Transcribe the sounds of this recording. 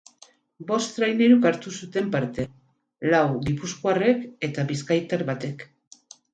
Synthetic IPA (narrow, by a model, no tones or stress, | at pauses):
bo̞st̪ɾajneɾukaɾt̪usut̪e̞mpaɾt̪e̞ | lawɡipuskoare̞ke̞t̪aβiskajt̪aɾβat̪e̞k